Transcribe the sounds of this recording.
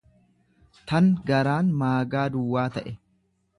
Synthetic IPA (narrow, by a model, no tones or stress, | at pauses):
t̪ɐŋɡɐɾaːnmaːɡaːd̪ʊwːaːt̪ɐʔɛ